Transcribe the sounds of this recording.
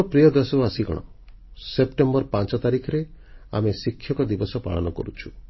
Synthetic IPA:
pɾijɔd̪esɔasiɡɔ̰ɽ̃ɔ̰ | sepʈembɔɾpant͡ʃɔt̪aɾikʰɔɾe | a̰mesikʰːjɔkɔd̪ibɔsɔpa̰ɭɔ̰nɔkɔ̰ɾut͡ʃʰu̥

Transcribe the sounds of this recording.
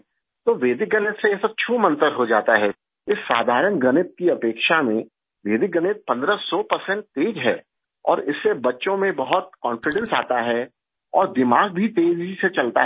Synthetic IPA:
t̪oːʋeːd̪ɪk̚ɡɐnɪt̪sejesɐb̚t͡ʃʰuːmə̃nt̪əɾɦod͡ʒaːt̪aɦɛ | ɪsːaːd̪ʱaːɾənɡɐnɪt̪̚kiɐpeːkʃamẽ | ʋeːd̪ɪk̚ɡənɪt̪̚pɐ̃nd̪ɾəsɔːpɐɾsɛ̃ɳʈ̚t̪eːd͡ʒɦɛ̰ː | ɔ̰ːɾɪsːebɐtːʃõmẽbɐɦʊt̪̚kɔ̃ːnfɪɖə̃nsaːt̪aɦɛ | ɔːɾd̪ɪmaːɡ̚bʱit̪eːd͡ʒiset͡ʃɐlt̪a̰ɦ

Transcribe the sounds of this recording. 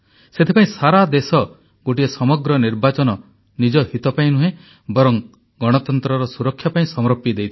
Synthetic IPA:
set̪ʰipaĩsaɾad̪esɔ | ɡoʈiesɔmɔɡɾɔniɾbat͡ʃɔnɔ | nid͡ʒɔhit̪ɔpaĩnuɦẽ | bɔɾɔŋ | ɡɔɽ̃ɔt̪ɔnt̪ɾɔɾɔsuɾɔkʰːjapaĩsɔmɾɔpːid̪ejt̪ʰi

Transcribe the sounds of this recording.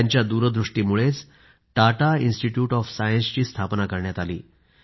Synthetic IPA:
aɲt͡ɕjad̪uɾəd̪ɾuʂʈiːmuɭet͡s | ʈaʈainsʈiʈjuːʈɔfsajənst͡ɕiːst̪ʰapnakəɾɳjat̪alḭː

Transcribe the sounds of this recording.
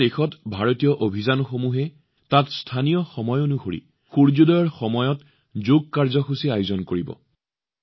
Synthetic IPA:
exɔtbʱaɹotijɔʔobʱizanxomuɦɛ | tatstʰanijɔxɔmɔjonuxoɹḭ | xuɹzudɔjɔɹxɔmɔjɔt | zoɡ̚kaɹzɔxusiajʊzɔnkoɹibɔ̰

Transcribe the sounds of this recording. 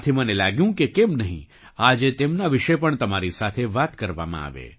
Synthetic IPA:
t̪ʰimənelaɡjũkekemnəɦḭ̃ | ad͡ʒet̪emnaʋɪʃepəɳt̪əmaɾisat̪ʰeʋat̪kəɾʋa̰mã̰a̰ʋḛ

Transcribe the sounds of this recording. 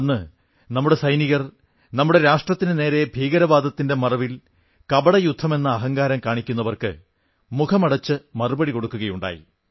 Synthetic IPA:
nːɨ | nɐmːuɽe̞sɐjniɣɐr | nɐmːuɽe̞ɾaːʂʈrɐt̪ːinɨne̞ːɾe̞bʱiːɡɐɾɐʋaːd̪ʱɐt̪ːinde̞mɐrɐʋil | kɐbɐɽɐjud̪ʱːɐme̞nːɐːɦɐŋɡaːɾɐmkaːɳikʲːunːɐʋɐrkɨ̰ | mukʰɐmɐɽɐt͡ɕːɨmɐrubɐɽiko̞ɽukːuɣɐjuɳɖa̰ːjḭ

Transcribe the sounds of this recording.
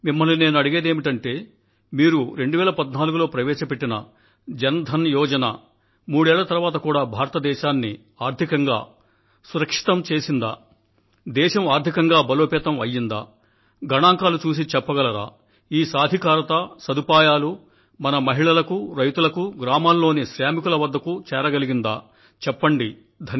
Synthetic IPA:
mimːɐline̞ːnuɐɽiɡeːd̪eːmiʈɐɳʈe̞ː | miːɾuɾe̞ɳɖuʋɛːlɐpɐd̪naːluɡulo̞ːpɾɐʋɛːʃɐpeʈːinɐ | d͡ʒɐnɐd̪ʱɐnjɔːd͡ʒɐna̰ | muːɽɛːɭlːɐt̪ɐɾuʋaːt̪̬ɐkuːɽaːbʱaːɾɐt̪ɐd̪ɛːʃaːnːi | aːɾd̪ʱikɐŋɡa̰ː | suɾɐkʂi̥t̪ɐmt͡ʃe̞ːsind̪a̰ː | d̪ɛːʃɐmaːɾd̪ʱikɐŋɡaːbɐloːpɛːt̪ɐmɐjːind̪a̰ː | ɡɐɳaːŋkaːlut͡ʃuːs̬it͡ʃɛpːɐɡɐlɐɾa̰ː | iːsaːd̪ʱikaːɾɐt̪ɐsɐd̪upaːjaːlu | mɐnɐmɐɦiɭɐlɐkuɾɐjt̪ulɐkuɡɾaːmaːlːo̞ːniʃɾjaːmikulɐʋɐd̪ːɐkut͡ʃɛːɾɐɡɐliɡind̪a̰ː | t͡ʃɛpːɐɳɖi | d̪ʱɐn

